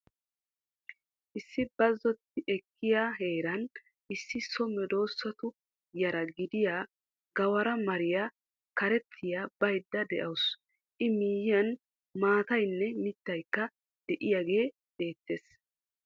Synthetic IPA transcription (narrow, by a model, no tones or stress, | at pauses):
ʔɪsːɪbɐzːɔt̪ːɪʔɛkːɪjaɦe̞ːɾɐn | ʔɪsːɪsɔmɛd̪o̞ːsːɐt̪ʊ | jɐɾɐɡɪd̪ɪjaː | ɡɐwɐɾɐmɐɾɪja | kɐɾɛt̪ʰːɪjaːbɐjd̪ːɐd̪ɛʔɐws | ʔɪmiːjɪjɐn | maːt̪ɐjnːɛmɪt̪ːɐjkːɐ | d̪̥ɛʔɪjaɡe̞ː | b̪e̞ːt̪ːe̞s